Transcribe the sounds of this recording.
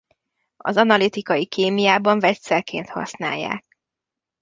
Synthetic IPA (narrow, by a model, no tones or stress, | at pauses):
ɒ̰zɒnɒlit̪ikɒjikʰeːmijaːbɒɱvɛt̪sɛlkḛːnt̪hɒ̰sna̰ːjːa̰ːk̚